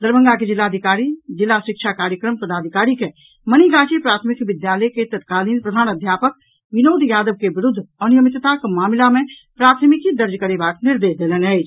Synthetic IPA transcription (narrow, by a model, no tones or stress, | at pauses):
d̪əɾbə̃ŋɡaked͡ʒɪlːaːd̪ʱikaːɾid͡ʒɪlːasɾɪkʃʰakaːɾjəkɾəmpəd̪aːd̪ʱikaːɾike | məniɡaːt͡ʃepɾaːt̪ʰəmikʋɪd̪jaːləjket̪ət̪kaːliːnpɾəd̪ʱaːnəd̪ʱjaːpək | ʋɪnoːd̪ʱjaːd̪əʋkebɾʊd̪ʱːənijəmit̪t̪akmaːmlamẽpɾaːt̪ʰmikid̪əɾd͡ʒkəɾebaːʈnɪɾd̪eːsd̪eːlənɦɛɪt͡ʃ